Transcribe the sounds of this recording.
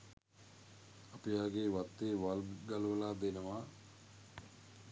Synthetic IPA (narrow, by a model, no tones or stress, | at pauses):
apijaːɡeːʋat̪ːeːʋalɡalʋəlaːd̪enəʋaː